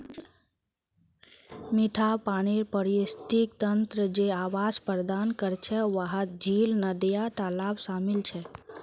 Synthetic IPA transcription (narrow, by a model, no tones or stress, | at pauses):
miʈʰapaɽ̃iɾpəɾist̪ik̚t̪ənt̪ɾəd͡ʒeaʋaspəɾd̪ankəɾt͡ʃʰeʋaɦət̪̚d͡ʒilnəd̪jat̪alabsamɪlt͡ʃʰe